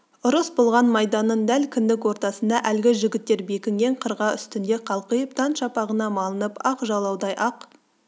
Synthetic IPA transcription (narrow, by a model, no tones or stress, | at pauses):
ʊɾəsbolˠʁɑnmɑjd̪ɑnːənd̪ælkʲʰɪnd̪ɪkwo̞ɾt̪ɑsənd̪ɑʔælɡʲɪʒɪɡʲɪt̪ːe̞ɾbe̞kʲɪŋɡʲe̞ɴqʰəɾʁɑʏst̪ɪnd̪eqʰɑlˠqəjp̚t̪ʰɑnʃɑpɑʁənɑmɑlˠənəpɑqʒɑlˠɑwd̪ɑjʔɑq